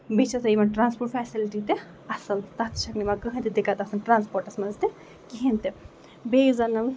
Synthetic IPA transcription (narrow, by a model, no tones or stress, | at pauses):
bit͡ʃɐsɐimɐnʈɾãːnspoʈfɛːsilʈit̪e | ɐsɐlt̪ɐt̪ʃɐknimakɐɦɐ̃nt̪id̪ikat̪ɐsɐnʈɾãːnspoːɾʈɐsmɐzt̪e | kiɦint̪e | beːjuzɐnɐʋ